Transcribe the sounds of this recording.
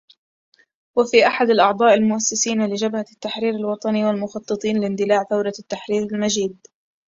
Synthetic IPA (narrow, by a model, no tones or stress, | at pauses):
wafiːʔaħad̪alʔɑʕd̪ˤɑːʔɪlmʊʔasːɪsiːnalɪd͡ʒabhat̪ːaħɾiːɾalwɑt̪ˤɑniwalmʊxɑt̪ˤːɨt̪ˤiːnlɪnd̪ɪlaːʕθawɾɑt̪ːaħɾiːɾɪlmaʒiːd̪